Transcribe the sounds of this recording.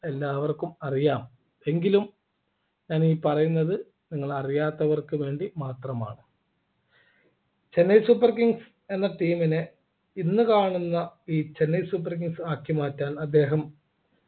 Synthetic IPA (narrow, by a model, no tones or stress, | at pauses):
e̞lːaːʋɐrkumɐrijaːm | e̞ŋɡilum | ɲaːniːpɐrɐjunːɐðɨ | niŋːɐɭɐrijaːt̪ːɐʋɐrkɨʋe̞ːɳɖimaːt̪rɐma̰ːɳɨ | t͡ɕe̞nːɐjsuːpːɐrkiŋɡs | e̞nːɐʈiːmine | inːɨkaːɳunːɐiːt͡ɕe̞nːɐjsupːɐrk̬iŋɡsaːkjɐmaːtːaːnɐd̪ːe̞ːɦɐm